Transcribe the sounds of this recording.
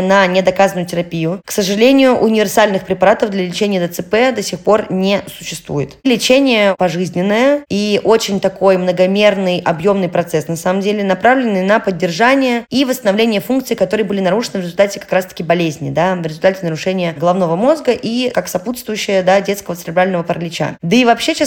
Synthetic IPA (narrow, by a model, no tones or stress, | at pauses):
nənʲɪd̪ɐkazənʊjʊtʲɪɾɐpʲijʊksəʐɨlʲenʲɪjʊʔʊnʲɪvʲɪrsalʲnɨxpɾʲɪpɐɾat̪əvd̪lʲɐlʲɪt͡ɕenʲɪjəd̪ət̪sɨpɛd̪ɐsʲexpo̞rnʲesʊɕːɪst̪vṵjɪt̪lʲɪt͡ɕenʲɪjəpɐʐɨzʲnʲɪnːəjəiʔo̞t͡ɕɪnʲt̪ɐko̞jmnəɡɐmʲe̞rnɨjɐbjo̞mnɨjpɾɐt̪sɛsnɐsaməmdʲelʲɪnɐpɾavlʲɪnːɨjənəpədʲːɪrʐanʲɪjəivəst̪ənɐvlʲenʲɪjəfunkt̪sɨikɐt̪o̞ɾɨjəbɨlʲɪnɐɾuʂɨnɨvɾɪzʊlʲt̪atʲɪkɐ̥kɾast̪ə̥kʲɪbɐlʲezʲnʲɪd̪avɾʲɪzʊlʲt̪atʲɪnəɾʊʂɛnʲɪjəɡəlˠɐvno̞vəmo̞zɡəʔikaksɐput̪st̪vʊjʉɕːɪjəd̪adʲe̞t̪skəvət̪sɾʲɪblʲalʲnəvəpəɾəlʲɪt͡ɕa̰d̪əivɐpɕːet͡ɕa